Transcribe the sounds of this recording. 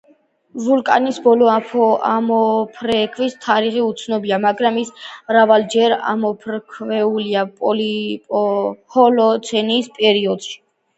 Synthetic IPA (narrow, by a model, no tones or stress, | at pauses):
vulkʼa̰nisbɔlɔapɔamɔpʰɾɛkʰvist̪ʰaɾiχiut̪sʰnɔbiamaɡɾamismɾavald͡ʒɛɾa̰mɔpʰɾkʰvɛuliapʼɔlipʼɔhɔlɔt̪sʰɛniːspʼɛɾiɔd̪̥ʃi̥